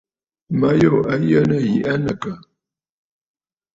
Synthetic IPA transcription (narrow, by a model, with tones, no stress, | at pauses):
ma˨˦jo˦˨a˨jə˦nə˦˨ji˨ʔa˦nə˨kə˨